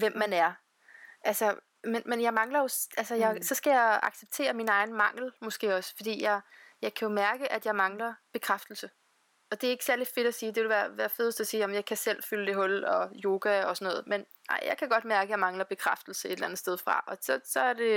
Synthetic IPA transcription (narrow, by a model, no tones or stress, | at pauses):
ʋem̰ːænæɐ | ʔælsə | menmenjɑ̈ɪmɑ̈ŋlɐjo̝sʔælsəjɑɪsɒ̽sɡ̥æjɑ̈ɪɑ̈ɡ̥seb̥̚t͡sʰe̝̰ːɐminɑ̈ɪn̩mɑ̈ŋ̰l̩mɔ̽sɡ̥e̝̰ːɒ̽sfɒ̽d̥ḭːjɑ̈ɪjɑ̈ɪkʰæjo̝mæɐɡ̥əʔæd̥jɑ̈ɪmɑ̈ŋlɐb̥e̝kʰʁafd̥l̩sə | ɒ̽d̥e̝æe̝ɡ̥sæɐli̥fe̝ɾ̥ɒsiːd̥e̝ʋe̝lʋæːɐʋæːɐføðˠsd̥ɒsiːjæmmjɑ̈ɪkʰæsel̰fyləd̥e̝ɦɔ̽lɒ̽jo̝ːɡ̥æɒ̽sɒ̽nɔ̽ːð̞̩ˠmen | nɑ̰ɪ̰jɑ̰ɪkʰæɡ̥ɒ̽d̥mæɐɡ̥əjɑ̈mɑ̈ŋlɐb̥e̝kʰʁafd̥l̩səe̝d̥lænð̩ˠsd̥eð̞ˠfʁɑ̈ʔɒ̽sɒsɒ̽æɐd̥e̝